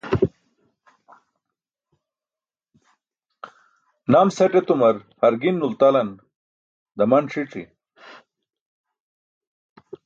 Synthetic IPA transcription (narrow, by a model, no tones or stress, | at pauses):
naːmseʈet̪umɐɾhɐɾɡinːult̪ɐlɐn | d̪ɐmɐnʂʰiʈ͡ʂḭ